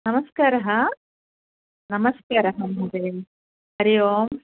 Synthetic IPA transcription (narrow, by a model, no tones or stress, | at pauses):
nɐmɐskaːɾɐɦɐ | nɐmɐskaːɾɐɦɐmɦɐd̪eːm | ɐɾijoːm